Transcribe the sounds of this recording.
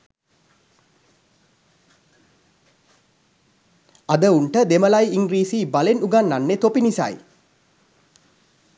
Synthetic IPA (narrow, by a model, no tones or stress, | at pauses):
ad̪əuɳʈəd̪eməlajiŋɡɾiːsibalenuɡanːanːet̪opinisa̰j